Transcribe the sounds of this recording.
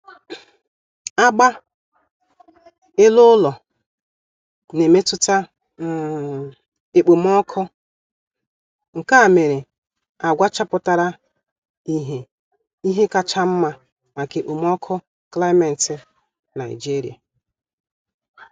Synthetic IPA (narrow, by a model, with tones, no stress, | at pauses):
a˦ɡ͡ba˦ | e˦lʊ˦lɔ˨ | ne˨me˦tʊ˦ta˦ | e˨k͡po˨m˦ɔ˦kʰʊ˦ | ŋ̩˨ka˦a˨me˨ɾe˨ | a˨ɡʷa˦t͡ʃa˦pʊ˦ta˦ɾa˦ | i˦ɦe˨ | i˦ɦe˦ka˨t͡ʃa˦m̩˦ma˦ | ma˨ke˨k͡po˨m˦ɔ˦kʰʊ˦ | kla˦me˨n̩˨tɪ˨ | na˨ɪ˨d͡ʒi˦ɾḭ˨a˨